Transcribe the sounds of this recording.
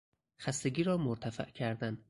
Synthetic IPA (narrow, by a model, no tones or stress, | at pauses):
xæst̪e̞ɡʲiːɾɒːmoɾt̪ʰæfæ̰ʔcʰæɾd̪æn